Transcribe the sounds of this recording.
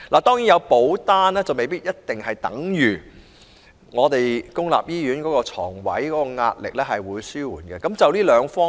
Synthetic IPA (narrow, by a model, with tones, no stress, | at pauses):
laː˨˩t̪ɔː˥ŋji˨˥njɐ˨˧wpo˨˥wt̪aː˥nɛː˥t͡sɐ˨wme˨jpiː˥t̚jɐ˥t̚t̪ɪ˨ŋhɐ˨jt̪ɐ̰˨˥ŋjyː˨˩ | ŋɔː˨˧t̪e˨jkʊ˥ŋla̰ː˨p̚jiː˥jɥyː˨˥nkɔː˨˥kɔː˧t͡sʰɔ̰ː˨˩ŋwɐ̰˨˥jkɔː˨˥kɔː˧ŋa̰ː˧t̚lɪ̰˨k̚lɛ˥ɦɐ˨jwuː˨˧jsyː˥wuː˨˩nɡɛ˧kɐ˨˦˥mt͡sɐ˨wliː˥lœː˨˧ŋfɔː˥